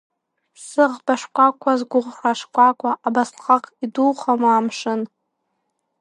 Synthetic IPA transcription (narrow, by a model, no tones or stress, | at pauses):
sɨʁbaʂkʷʼakʷʰazɡʷʊʁraʂkʷʰʼakʷʰaʔabaslχaqʼiduːχamaamʂɨn